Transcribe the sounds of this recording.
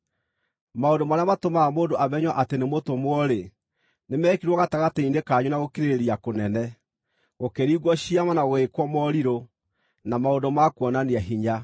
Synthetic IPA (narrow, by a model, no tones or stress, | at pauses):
maondomaɾeamatomamoːndoʔaβɛɲwaʔatenemotomwɔɾe | nemɛːkiɾwɔɣataɣatɛindekaɲunaɣokeɾeɾiakonɛnɛ | ɣokeɾiːɣwɔɕiamanaɣwekwɔmɔɾiɾo | namaondɔmakwɔnaneaɦiɲa